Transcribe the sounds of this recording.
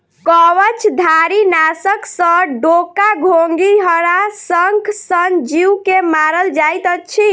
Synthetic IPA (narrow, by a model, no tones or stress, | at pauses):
kɔwət͡ʃʰd̪ʱaɾinasəksə̃ɖokaɡʱoŋɡiɦəɾasəŋkʰsənd͡ʒiukemaɾəld͡ʒajt̪ət͡ʃʰi